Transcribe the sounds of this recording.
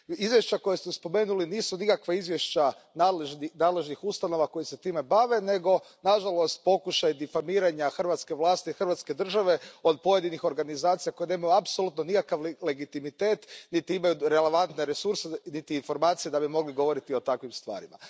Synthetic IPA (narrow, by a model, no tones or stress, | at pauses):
izʋjeʃt͡ɕako̞jesmospo̞me̞ːnuliniːsunikakʋeizʋje̞ʃt͡ɕa | nalinaːd̪le̞ʒnixust̪ano̞ʋako̞jise̞t̪iːme̞baʋe̞ne̞ɡo̞ | naʒalˠo̞st̪̚po̞kuʃajd̪ifamiːɾaɲaxrʋaːt̪ske̞ʋlˠaːst̪iixr̩ʋat̪ske̞d̪r̩ʒaʋe̞o̞d̪̚po̞je̞d̪inixo̞ɾɡanizaːt̪sijako̞jene̞ːmajuapsolˠut̪nonikakaʋle̞ɡit̪imit̪e̞ːt̪nit̪iimajuɾe̞le̞ʋant̪ne̞ɾe̞suɾsenit̪iːnfo̞ɾmaːt̪sije̞d̪abimo̞ɡliɡoʋo̞ɾit̪io̞t̪akʋimst̪ʋa̰ːɾima̰